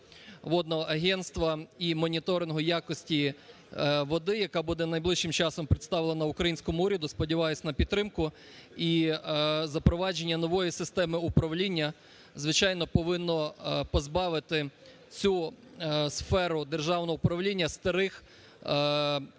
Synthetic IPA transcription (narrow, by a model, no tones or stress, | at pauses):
ʋɔd̪nɔɦɔʔɐɦɛnst̪ʋɐimɔnʲit̪ɔɾɪnɦɔjakɔsʲtʲi | ʋɔd̪ɪjɐkɑbud̪ɛnɐjblˠɪʃʃɪmt͡ʃɑsɔmpɾɪt̪st̪ɑʋlˠenɐʊkɾɐjinʲsʲkɔmʊuɾʲɐd̪ʊspɔdʲiʋɑjʊsʲnɐpʲid̪t̪t̪ːɾɪmkʊ | i | zɐpɾɔʋɑd͡ʒenʲːɐnɔʋɔjisɪst̪ɛmɪʊpɾɐʋlʲinʲːɐ | zʋɪt͡ʃɑjnɔpɔʋɪnːɔpɔzbɑʋɪt̪ɪ | t͡sʲu | sfɛɾʊd̪erʒɑwnɔɦɔʊpɾɐʋlʲinʲːɐst̪ɐɾɪx